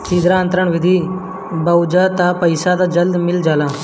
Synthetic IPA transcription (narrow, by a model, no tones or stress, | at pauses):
sid̪ɾaənt̪ɾəɳʋid̪ʱiː | bəwd͡ʒət̪apəjsad̪ad͡ʒəld̪mɪld͡ʒala